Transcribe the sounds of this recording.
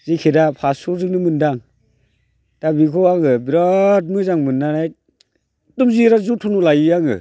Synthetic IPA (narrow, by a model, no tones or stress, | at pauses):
z̥ikʰedapʰasuzɯŋnɯmɯndaŋ | tabikʰɔaŋɯbiɾɔt̚mɯzaŋmɯnːanaj | tumziɾazutʰunulajɯjaŋɯ̰